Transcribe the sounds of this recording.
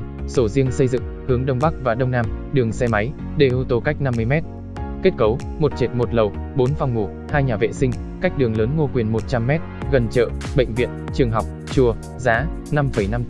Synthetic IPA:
so˧˩zi˧əŋsə˧jzɨ̰˧˨ŋ | hɨ˨˦əŋɗə˧wŋ͡mɓa˦˥k̚vaː˨˩ɗə˧wŋ͡mnaː˧mɗɨ˨˩əŋsɛ˧ma˨˦j | ɗe˧˩ʔu˧t̪o˧ka˦˥jk̟̚na˧mːɨ˧əjmɛ˦˥t̚ | ke˦˥t̚kə˨˦w | mo˨˩t̚t͡ɕe˨˩t̚mo˨˩t̚lə˨˩wɓo˨˦nva˧wŋ͡mŋu˧˩ | haː˧jɲaː˨˩vḛ˧˨sï˧ŋ̟ka˦˥jk̚ɗɨ˨˩əŋləː˨˦nŋo˧kwi˨˩ənmo˨˩t̚t͡ɕa˧mːɛ˦˥t̚ɣə˨˩nt͡ɕə̰ː˧˨ɓə̰˧˨ŋ̟vḭ˧˨ənt͡ɕɨ˨˩əŋɦa˨˩wk͡p̚ | t͡ɕu˨˩ə | zaː˨˦ | na˧mfə˧˩jna˧m

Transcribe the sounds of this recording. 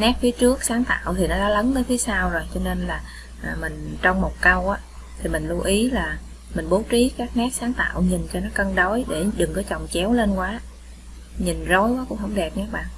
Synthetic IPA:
nɛ˦˥k̚fi˨˦ət͡ɕɨ˦˥ək̚saː˨˦ŋt̪a̰ː˧˨wt̪ʰi˨˩nɔ˨˦ɗaː˨˦lə˨˦nt̪əː˨˦jfi˨˦saː˧wzo˨˩jt͡ɕɔ˧ne˧nlaː˨˩ | ʔːmï˨˩ŋ̟t͡ɕɔ˧wŋ͡mmo˨˩t̚kə˧wʔaː˨˦ | t̪ʰi˨˩mi˨˩ŋ̟lu˧ʔi˨˦laː˨˩ | mï˨˩ŋ̟ɓo˨˦wt͡ɕi˨˦kaː˦˥k̚nɛː˦˥k̚saː˨˦ŋt̪a̰ː˧˨wɲi˨˩nt͡ɕɔ˧nɔ˨˦kə˧nɗo˨˦jɗe˧˩ɗɨ˨˩ŋkɔ˨˦jt͡ɕɔ˨˩wŋ͡mt͡ɕɛ˨˦wle˧nkwaː˨˦ | ɲi˨˩ŋzo˨˦jaː˨˦kʊ̰˧˥ŋ͡mhə˧wŋ͡mɗɛ˨˩p̚ŋɛː˨˦˥k̚ɓa̰ː˧˨n

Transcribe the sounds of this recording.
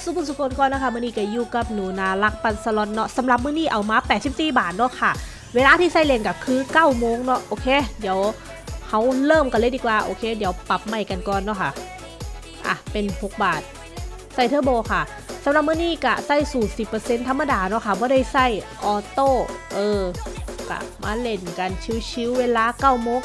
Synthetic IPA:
su˧˦pʰu˧˨nsu˧˩kʰoː˧˨nkɔː˧˨nɔ˧˥˩kʰa˧˩mɯː˧˨niː˧˩ka˧˩juː˧˩ka˧˩p̚nuː˨˩˦naː˨˧˩la˧˥k̚pa˧˩nsa˧lɔ˧˦t̪̚nɔ˧˥sa˨˦mla˧˦p̬̚mɯː˧˥˨niː˧˥˩ʔa˨˩wmaː˧˦pɛː˨˩t̪̚si˧˦p̚siː˧˩baː˨˩t̪̚nɔ˧˥˨kʰa˧˩ | weː˧laː˧t̪ʰiː˧sa˧˥˩jle˧˩ŋka˧˩kʰɯː˧˥˨kaː˧˥˩wmoː˧˨ŋnɔ˧˥˩ʔoː˧˩kʰeː˧˥˨di˨˦əw | ha˧˩wlɤː˧˥˩mka˧˩lɤː˧˥˨diː˧˩kwaː˧˩ʔoː˧kʰeː˧˩di˨˦əwpa˧˩p̚ma˧˩jka˨nkɔː˨nːɔ˧˥˨kʰa̰˧˩ | ʔa̰˧˩pe˨npʰo˧˩k̚baː˨˩t̪̚ | sa˧˩jt̪ʰɯː˧˥˨bɔː˧˩kʰa˧˩ | sa˧˦mla˧˦p̚mɯː˧˥˨niː˧˥˩ka̰˧˩sa˧˥˩jsuː˨˩nsi˨˩pːɤː˧se˧˨nt̪ʰa˧˥mːa˧daː˧nɔ˧˥˨kʰa˧˩bɔː˧˦ɾa˧˥˩jsa˧˥˩jʔɔː˨˧˩t̪oː˥˩ʔɤː˧ka̰˧˩ma̰ː˧˥le˧˩nka˧˩nt͡ɕʰi˧˥wt͡ɕʰi˧˥wweː˧laː˧˥kaː˧˥˩wmoː˧˨ŋ

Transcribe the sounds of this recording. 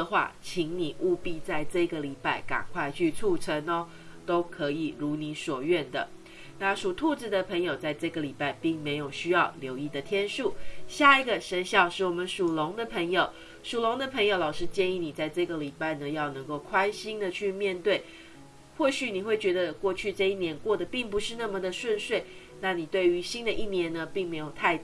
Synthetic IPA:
xwa̰˥˩t͡ɕʰi˧˥ŋni˨˩ʔu˥˧pi˥˧t͡sa˥˧ɪʈ͡ʂɤ˥˧˨ɡə˩li˨˩pa˥˩ɪka̰˨˩ŋkʰwa˥˧ɪt͡ɕʰy˥˧t͡sʰu˥˩ʈ͡ʂʰə˧˦nə˧ | t̪o˥ʊkʰɤ˧˦˥i˨˩ɻu˧˥ni˨˧˥swɔ˨˩ɥɛ˥˩nd̪ə̰˩ | na˥˩ʂu˨˩t̪ʰu˥˧t͡s̩˨˩d̪ə˩pʰə˧˥ŋjo˨˩ʊt͡sa˥˧ɪʈ͡ʂɤ˥˩ɡə˩li˨˩pa˥˩ɪpi˥˩ŋme˧˥ɪjo˨˩ʊɕy˥jɑ˥˩ʊljo˧˥ʊi˥˩d̪ə˩t̪ʰjɛ˥nʂu˥˩ɕja˥˩i˧˥ɡə˨ʂə˧˥nɕjɑ˥˩ʊʂɻ̩˥˩wɔ˨˩mə˦nʂu˨˩lʊ˧˦˥ŋd̪ə˨pʰə˧˥ŋjo˨ʊ | ʂu˨˩lo˧˥ŋd̪ə˨pʰə˧˥ŋjo˧ʊlɑ˨˩ʊʂɻ̩˥t͡ɕjɛ˥˧ni˥˩ni˨˩t͡sa˥˧ɪʈ͡ʂɤ˥˩ɡə˩li˨˩pa˥˩ɪnə˩jɑ˥˩ʊnɤ˧˥ŋko˥˩ʊkʰwa˥nɕi˥ŋd̪ə˨t͡ɕʰy˥˧mjɛ˥˧nt̪we˥˩ɪ | xwɔ˥˩ɕy˨˦ni˨˩xwe˥˩ɪt͡ɕɥɛ˧˥d̪ə˧kwɔ˥˧t͡ɕʰy˥˧ʈ͡ʂɤ˥˧i˥˩njɛ˧˥nkwɔ˥˩d̪ə˩pi˥˩ŋpu˧˥ʂɻ̩˥˧na˥˩mə˩d̪ə˩ʂwə˥˧nʂwe˥˩ɪ | na˥˩ni˨˩t̪we˥˩ɪy˧˥ɕi˥nd̪ə˨ʔi˥˩njɛ˧˥nːə˧pi˥˩ŋme˧˥ɪjo˨˩ʊt̪ʰa˥˧ɪ

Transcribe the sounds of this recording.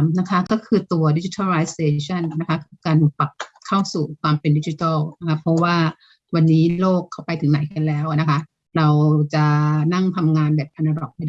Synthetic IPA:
mna˦˥kʰa˦˥kɔː˥˩kʰɯː˧t̪u˧ɐdi˦˥t͡ɕi˧˦t̪ʰa˥˩ɾa˧jseː˧t͡ɕʰa˥˩nːa˦˥kʰa˦˥kʰɯː˧kaː˧n˧pa˨˩p̚kʰːa˥˩wsuː˨˩kʰwaː˧mpe˧ndi˦˥t͡ɕi˧˦t̪a˥˩wna˦˥kʰa˦˥pʰɾɔ˦˥waː˥˩ | wa˧nːiː˦˥loː˥˩kʰːa˥˩wpa˧jt̪ʰɯ˨˩˦ŋna˨˩˦jka˧nlɛː˦˥wna˦˥kʰa˦˥ | ɾa˧wt͡ɕa˨˩na˥˩ŋt̪ʰa˧mŋaː˧nbɛː˨˩p̚ʔʰa˧na˧ɾɔ˨˩k̚ha˥˩jda˥˨

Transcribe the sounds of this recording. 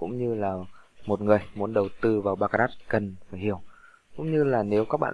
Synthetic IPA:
kʊ̰˧˥ŋ͡mɲɨ˧laː˨˩mo˨˩t̚ŋɨ˨˩əjmu˨˦ənɗə˨˩wt̪ɨ˧vaː˨˩wɓaː˧ka˧ɾaː˦˥t̚kə˨˩nfaː˧˩jhi˧˩˨əw | kʊ̰˧˥ŋ͡mɲɨ˧laː˨˩ne˨˦wkaː˦˥k̚ɓa̰ː˧˨

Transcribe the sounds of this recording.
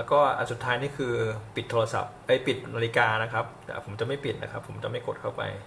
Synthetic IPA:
lɛ˦˥wkɔː˥˩ʔa̰˨˩su˨˩t̪ʰːaː˦˥jniː˥˩kʰɯː˧pi˨˩t̪ʰːoː˧a˧sa̰˨˩p̚ʔɤ˦˥˩pi˨˩t̪̚naː˧li˦˥kaː˧na˦˥kʰɾa˦˥p̚a̰˨˩pʰo˩˦mt͡ɕa˨˩ma˥˩jpi˨˩na̰˦˥kʰa˦˥pʰːo˩˦mt͡ɕa˨˩ma˥˩jko˨˩t̪̚kʰa˥˩wpa̰˧j

